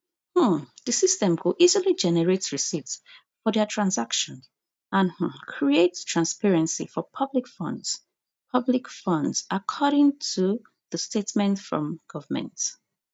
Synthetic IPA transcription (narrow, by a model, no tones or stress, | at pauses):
hm̩ðəsistɛ̃mkʰoʔizilid͡ʒɛnɛɹetɹisits | fɔdɛtʰɹãnsakʃɔ̃n | ãnh̩kʰɹietstʰɹãnspɛɹɛ̃nsḭfɔpʰʌblikfʌ̰̃ndz̥ | pʰʌblikfʌ̃ndzakʰɔɾɪ̃ŋtʰu | ðəstetmɛ̃ntfɹɔ̰̃mɡ̥ʌvəmɛ̰̃nt